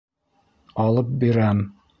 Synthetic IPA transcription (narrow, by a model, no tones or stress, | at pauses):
ɒlˠɤp̚biɾæm